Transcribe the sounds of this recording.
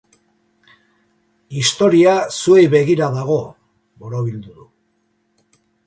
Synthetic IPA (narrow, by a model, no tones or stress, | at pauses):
ist̪o̞ɾiasue̞jβe̞ɣiɾaðaɣ̞o̞ | boɾoβild̪uðu